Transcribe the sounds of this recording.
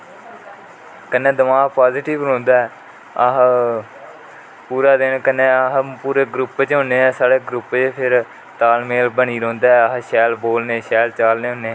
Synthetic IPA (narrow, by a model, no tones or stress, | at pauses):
kənːẽːd̪əmaːɡpaːzɪʈɪʋɾõːnd̪aːɛː | əɦ | puːɾaːd̪ɪnkənːẽːəɦpuːɾeːɡɾʊpt͡ʃɦʊ̃ːneːɛːsaːɽeːɡɾʊpt͡ʃpʰɪɾ | t̪aːlmeːlbəɽ̃iːɾõːnd̪aːɛːəɦʃɛːlboːlnẽːʃɛːlt͡ʃaːlnẽːɦʊ̃ːneː